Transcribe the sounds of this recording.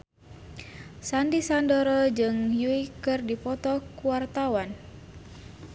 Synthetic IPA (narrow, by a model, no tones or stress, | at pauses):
sandisandɔɾɔd͡ʒɨŋjuikɨrdipɔt̪ɔkuwart̪awan